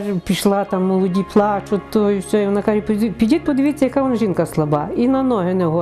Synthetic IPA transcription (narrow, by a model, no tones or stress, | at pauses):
pʲiʃlˠɑt̪amːɔlˠɔdʲiplˠɑt͡ʃʊt̪ɔisʲɔjʋɔnakaʒɛp̪pʲidʲit̪̚pɔd̪ɪʋʲit͡sʲːɐjɐkaʋɔnʒinkɐslˠɐbɑinɐnɔɦɪnɛɦɔ